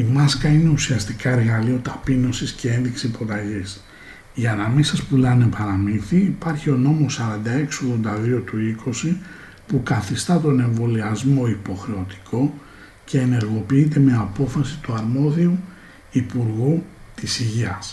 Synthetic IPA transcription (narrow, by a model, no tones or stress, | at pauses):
imɐskɐine̞usiɐst̪ikɐe̞ɾɣɐlio̞t̪ɐpino̞sisce̞e̞nðiksiipo̞t̪ɐʝis | iɐnɐmisɐspulɐne̞pɐɾɐminθiːpɐɾçio̞no̞mo̞sɐɾɐnd̪ɐe̞ksio̞ɣðo̞nd̪ɐðio̞t̪uikʰo̞si | pukɐθist̪ɐt̪o̞ne̞ɱvo̞liɐzmo̞ipo̞xɾe̞o̞t̪i̥kʰo̞ | ce̞ːne̞ɾɣo̞piit̪̬e̞meɐpo̞fɐsi̥t̪uɐɾmo̞ðiu | ipuɾɣut̪isiʝiɐs